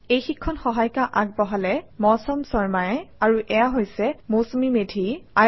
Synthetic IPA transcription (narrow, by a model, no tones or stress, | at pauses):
ejxikʰːɔnxɔɦajkaʔak̚bɔɦalɛmɔsɔmsɔɹmajɛaɹuʔɛjaɦojsɛmosomimedʱia